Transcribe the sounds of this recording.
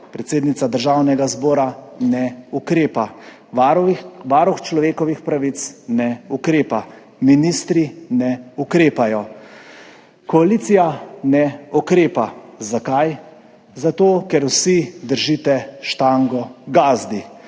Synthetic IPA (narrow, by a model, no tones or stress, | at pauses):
pɾɛt̪seːd̪nit̪sad̪əɾʒaːwnɛɡazbɔːɾanɛukɾeːpa | ʋaɾuxt͡ʃlɔʋeːkɔʋixpɾaʋit̪snɛukɾeːpa | minist̪ɾinɛukɾeːpajɔ | kɔaliːt̪sijanɛɔkɾeːpazakaj | zat̪oːkɛɾwsid̪əɾʒit̪ɛʃt̪aŋɡɔɡaːzd̪i